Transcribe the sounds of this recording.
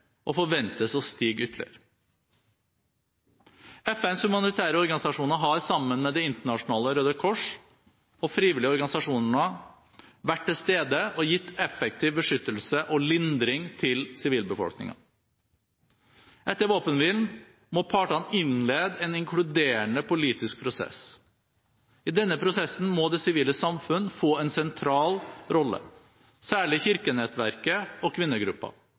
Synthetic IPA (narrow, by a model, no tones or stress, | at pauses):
ʔɔfɔʋɛnt̪əsɔst̪iːɡʏt̪ʰːlɪ̰əɾ | ɛfɛnshʉmɑnɪɪt̪ʰæːɾəɔɾɡɑnɪsɑʂuːnəɾɦɑɾsɑmːənmɛd̪ɛɪnt̪əɳɑʂʊnɑːləɔɾøːd̪əkʰɔʂ | ɔfɾiːʋɪlɪəɔɾɡɑnɪsɑʂuːnəɳə | ʋæʈ̚ʈɪlst̪eːd̪əɔjɪt̪ːɛfɛk̚t̪ʰiːʋbəʂʏt̪ːəlsəʔɔlɪnd̪ɾɪŋt̪ʰɪlsɪʋiːlbəfɔ̰lknɪ̰ŋɑ̰ | ʔɛt̪ːəɾʋoːpənʋiːln | mɔpʰɑːʈɑnɪnleːd̪ɛːnɪŋkʰɽʉd̪eːəɳəpʊliːt̪ɪsk̚pʰɾʊsɛ̰s | ɪd̪ɛnːəpʰɾʊsɛsn̩mɔd̪ɛsɪʋiːləsɑmfʉnːfoːɛnsɛnt̪ʰɾɑːlɾɔlːə̰ | sæːɭɪçɪɾkənɛt̪ʋæɾkəɔkʰʋɪnːəɡɾʉpːɑ̰